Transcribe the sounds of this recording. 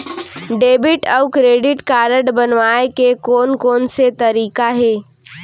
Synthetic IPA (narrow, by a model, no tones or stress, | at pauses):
ɖeːbɪʈɔʊkɾeːɖɪʈkaːɾəɖbənʋaːekekoːnkoːnset̪ɐɾiːkaɦɛː